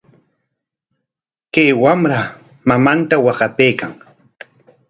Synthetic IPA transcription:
kajwamɾa | mamant̪awɑɢɑpejkaŋ

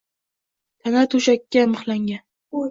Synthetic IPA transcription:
t̪ʰanat̪ʰʊʃakʲːamɨχlˠaŋɡʲan

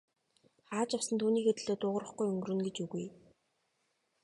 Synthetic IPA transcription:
χaːt͡ɕjawsə̆nt̪ʰuːniːket̪ɘ̆ɮoːt̪ʊːʁə̆rə̆χɡujɵŋɡɵrɘ̆nɡet͡ɕuɣuj

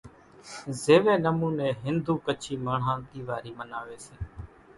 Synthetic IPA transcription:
zeːʋẽːnəmuːnẽːɦɪnd̪ʱuːkət͡ʃʰiːmaːɳ̤ãːnt̪iːʋaːɾiːmənaːʋeːseː

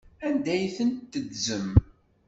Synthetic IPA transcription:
ænd̪æjθənt̪ːəd̪zəm

